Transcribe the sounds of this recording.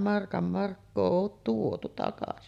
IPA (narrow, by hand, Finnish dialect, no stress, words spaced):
mɑrkɑm mɑrkːoː oːt tuotu tɑkɑsi